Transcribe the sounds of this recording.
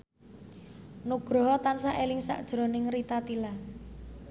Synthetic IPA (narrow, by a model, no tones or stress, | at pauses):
nuɡ̥ɾɔ̤ɦɔt̪ansaʔelɪŋsa̰ʔd̥ʒ̥ɾo̤nɪŋrit̪at̪ila